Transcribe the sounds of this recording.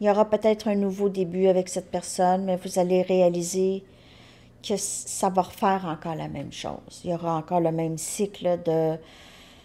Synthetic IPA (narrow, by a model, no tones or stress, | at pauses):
jɔʁapøt̪ɛːt̪χɛ̃nuvod̪ebyavɛksɛt̪̚pɛʁsɔnmɛvuzaleʁealize | kəsavaʁfɛːʁɑ̃kɔːʁla̰mɛ̰̃mʃo̰ːz̥jɔʁaɑ̃kɔːʁləmɛ̃msikld̪ə